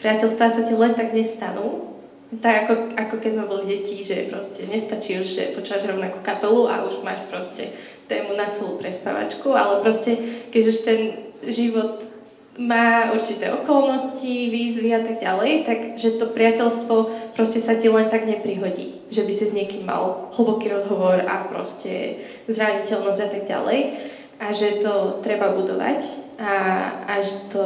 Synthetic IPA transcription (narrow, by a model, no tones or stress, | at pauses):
pɾɪacɛlst̪ʋasacilɛnt̪aɡɲɛst̪anuː | t̪aɡakɔakɔkɛzmɛbɔliɟɛciʒɛpɾɔscɛɲɛst̪at͡ʃiːuʒʒɛ̰pɔt͡ʃuːʋaʒɾɔʊnakukapɛluʔa̰ʔuʒma̰ːʃpɾɔscɛ̰ | t̪ɛːmunat͡sɛlṵːpɾɛspa̰ʋa̰t͡ʃkua̰lɛpɾɔscɛkɛɟuʃt̪ɛnʒiʋɔt̪ | maːuɾt͡ʃit̪ɛ̰ːʔɔkɔlnɔsciʋiːzʋiat̪aɡɟalɛjt̪aɡʒɛt̪ɔpɾɪacɛlst̪ʋɔpɾɔscɛsacilɛnt̪aɡɲɛpɾiɦɔɟḭː | ʒɛbisizɲɪɛkimːa̰lɦl̩ˠbɔkiːɾɔzɦɔʋɔɾa̰pɾɔ̰scɛ̰ | zɾaɲicɛlnɔzɟat̪aɡɟa̰lɛj | ʔaʒɛt̪ɔt̪ɾɛbabud̪ɔ̰ʋa̰caaʒɛt̪ɔ